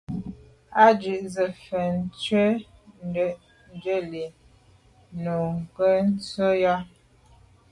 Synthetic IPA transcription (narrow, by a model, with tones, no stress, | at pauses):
a˦d͡ʒʉ˨ʔzə˨fə˨n˦t͡sɥə˦ | n˦də˦˨ʔ | n˦˨d͡ʒə˦˨li˨ | nu˨ŋ˨kə˦n̩˦t͡sə˦ja˦